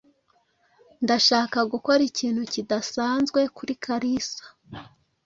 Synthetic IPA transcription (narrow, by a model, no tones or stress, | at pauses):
ndaʃaːkaɡuko̞ɾiciːn̥hucidasaːnzɡwe̞kuɾikʰaɾisḁ